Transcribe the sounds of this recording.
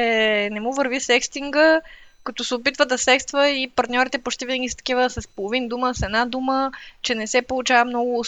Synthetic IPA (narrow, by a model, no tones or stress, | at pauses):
ɛnɛmuvəɾvisɛkst̪iŋɡə | kɐt̪ɔsɛopit̪vəd̪ɐsɛkst̪vəipɐɾt̪nʲɔɾit̪ɛpot͡ʃt̪ivinəɡʲisə̥t̪ɐ̥k̟ivəsɐspolˠovind̪uməsɛd̪nad̪umət͡ʃɛnɛsɛpolˠut͡ʃavəmnɔɡʊ